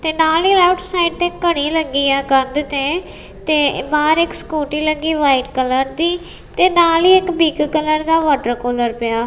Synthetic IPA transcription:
t̪eːnaːliːlaʊʈʰsaːɪɖ̚t̪ekəɽiːləɡiːaːɡənd̪t̪eː | t̪eːbaːɾɪkskoːʈiːləɡiːʋaːiʈkələɾd̪iː | t̪eːnaːliːɪkbiːɡkələɾd̪aːʋaːʈəɾkoːləɾpɪjaː

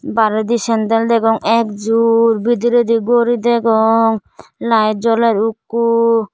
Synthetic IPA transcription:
baɾed̪iʃɛnd̪eld̪ekɔŋɛkd͡ʒuɾbid̪iɾed̪iɡoɾid̪ekɔŋlajd͡ʒɔleɾukːu

